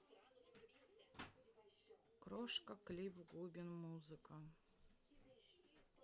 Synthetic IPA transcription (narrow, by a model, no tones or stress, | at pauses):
kɾoʂkɐklʲibɡubʲɪnmuzɨka